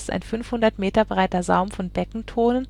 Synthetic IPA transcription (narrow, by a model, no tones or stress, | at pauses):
ta̰ɪnfʏnfhʊndɐtmeːtɐbʁaɪtɐzaʊmfɔnb̥ɛkŋ̩tʰoːnən